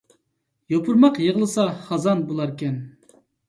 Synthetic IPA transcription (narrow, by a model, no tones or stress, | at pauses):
jopʰuɾmɑqjəʁəlˠɨsɑχɑzɑnbolˠɑɾkʲɛn